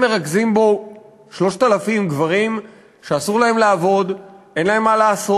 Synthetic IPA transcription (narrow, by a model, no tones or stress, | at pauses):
me̞ʁaɡzimbo̞ | ʃlo̞ʃt̪alafimɡvaʁim | ʃeasuʁlae̞mlaːvo̞d̪ | e̞nlae̞mːalaːso